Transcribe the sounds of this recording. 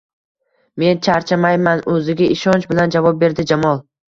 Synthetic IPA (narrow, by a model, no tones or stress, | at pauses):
me̞nt͡ʃʰaɾt͡ʃʰamajmanɵzɪɡʲaʔɪʃɒnt͡ʃbɪland͡ʒavɒp̚be̞ɾd̪ɪd͡ʒamɒlˠ